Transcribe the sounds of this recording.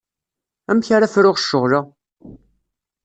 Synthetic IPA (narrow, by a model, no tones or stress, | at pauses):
æmçaɾafɾʊʁʃːəʁɾa